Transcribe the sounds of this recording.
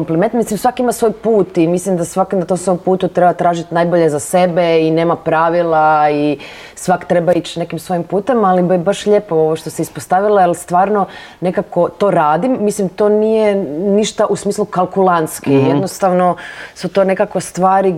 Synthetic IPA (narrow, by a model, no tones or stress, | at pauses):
ompliment̪mislimsʋakimasʋo̞ːjpuːt̪imislimd̪asʋaknd̪at̪osoompuːt̪ut̪ɾebat̪ɾaːʒit̪najboʎezase̞beine̞ːmapɾaːʋilˠai | sʋakt̪ɾebait͡ɕne̞kimsʋo̞jimpuːt̪emalibbaʃʎe̞pooʋoʃt̪oseispost̪aʋilajelst̪ʋaːɾno̞ | ne̞kako̞t̪o̞ːɾaːd̪imːislimt̪o̞nijeniʃt̪aʔusmiːslˠukalˠkulˠant̪skijenost̪aʋnosut̪one̞kakʋost̪ʋaːɾi